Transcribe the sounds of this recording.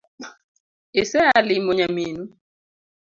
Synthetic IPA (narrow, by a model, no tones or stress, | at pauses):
esɛalimoɲaminu